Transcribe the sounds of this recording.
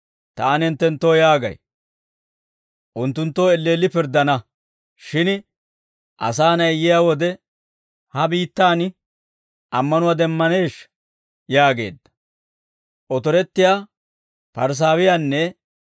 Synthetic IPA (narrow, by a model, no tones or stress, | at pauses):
t̪aːnɛnt̪ːɛnt̪ːoːjaːɡɐ̰j | ʔʊnt̪ːʊnt̪ːoːɛlːeːlːɪpɪɾd̪ːɐnɐ | ʃɪn | ʔɐ̰saːnɐjjɪjaːwɔd̪ɛ | hɐbiːt̪ːaːn | ʔɐmːɐnʊwad̪ɛmːɐne̞ːʃ | jaːɡe̞̰ːd̪ːɐ̥ | ʔɔt̪ɔɾɛt̪ːɪjaː | pɐɾs̬aːwɪjanːɛ